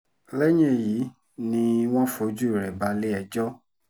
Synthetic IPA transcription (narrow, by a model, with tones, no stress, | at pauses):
lɛ˦ɲ̃ẽ˦˨ji˨˦ | nĩ˧w̃ɔ̃˦fo˧˦d͡ʒu˦˨ɾɛ˨ba˨˧˦le˦ɛ˧d͡ʒɔ˦